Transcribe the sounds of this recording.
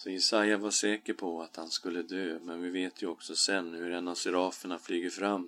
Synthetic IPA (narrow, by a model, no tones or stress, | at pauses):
sɔjɛsajavaʂɛːkəɾpʰɔat̪hanskɵlːəd̪øːmɛnvɪveːt̪ʰjɵɔksɔsɛnːhɵɾɛnːavsɪɾɑːfəɳaflyːɡəɾfɾamː